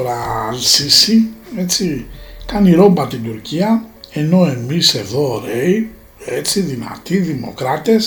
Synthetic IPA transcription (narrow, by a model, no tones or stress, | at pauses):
oɾɐlsisie̞t͡s̪ikɐniɾo̞mbɐt̪ind̪uɾciɐe̞no̞e̞mise̞ðo̞ɾej | e̞t͡siðinɐ̰t̪iðimo̞̰kɾɐt̪e̞s